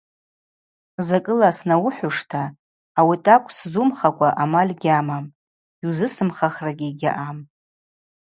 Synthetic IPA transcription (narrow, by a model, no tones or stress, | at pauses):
zakʼɨlasnawʊħʷᶣʊʂtʰaː | witʼakʷʼszumχakʷʼaʔamalʲɡʲamam | iwzɨsɨmχaχraɡʲiɡʲa̰ʔam